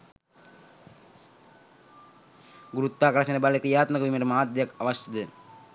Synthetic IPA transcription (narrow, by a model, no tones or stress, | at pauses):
ɡuɾut̪ːaːkɾɐsɐnɐbalekɾijaːt̪mɐkɐʋimɐɾɐmaːd̪jɐkɐʋɐst̪id̪ɨ